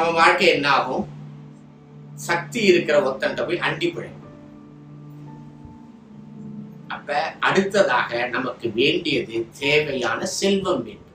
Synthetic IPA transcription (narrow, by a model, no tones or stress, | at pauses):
nɐmɐʋaːɻkɐɛnːaːɣɯm | sɐk̚t̪iɪɾɯkːɪɾɐɔt̪ːɐnd̪ɐpoːjʔɐɳɖɪpːɪɻɐ̰ːɯ | ʔɐpːɐʔɐɽɯt̪ːɐða̰ːɣɐnɐmɐkːɯʋeːɳɖɪjɐðɯt̪eːʋɐjaːnɐsɛlʋɐmʋeːɳɖɯm